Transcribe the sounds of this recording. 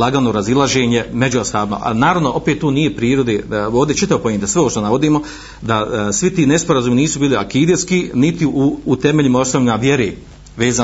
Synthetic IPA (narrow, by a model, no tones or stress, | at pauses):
laɡano̞ɾazilˠaʒeːɲe̞me̞d͡ʑuasaːbima̰ʔa̰naːɾaʋnoʔo̞pet̪ːoːnijepɾiːɾod̪eːoːʋd̪et͡ʃit̪aʋopojent̪asʋeopʃt̪onaʋo̞d̪iːmo̞ | d̪asʋit̪iːnespo̞ɾazuːminiːsubiːlia̰kiːd̪eskinit̪iuːt̪eme̞ʎimao̞snoʋʎʲimaʋje̞ɾeː | ʋeːzaː